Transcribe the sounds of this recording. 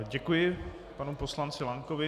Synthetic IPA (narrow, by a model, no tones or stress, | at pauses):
ɟɛkujɪ | panuposlant͡sɪlaŋkovɪ